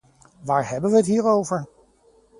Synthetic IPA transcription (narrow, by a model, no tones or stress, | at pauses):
ʋaːɹɦɛbənʋəɦətɦiːɹowvəɹ